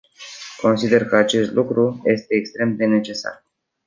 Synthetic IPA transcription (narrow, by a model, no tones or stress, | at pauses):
kʰo̞nsid̪e̞rkəat͡ʃe̞st̪lukɾuje̞st̪e̞ːkst̪ɾe̞md̪e̞ne̞t͡ʃe̞sa̰r